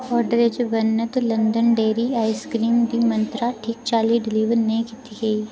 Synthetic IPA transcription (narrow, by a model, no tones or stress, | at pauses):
ɔːɾɖəɾed͡ʒobɐnːət̪olɐ̃nd̪ənɖeːɾiaːɪskɾiːmd̪imɐ̃nt̪ɾaʈʰiːk̚t͡ʃaːliɖɪliːʋəɾnɐɦĩkɪt̪iɡɐiː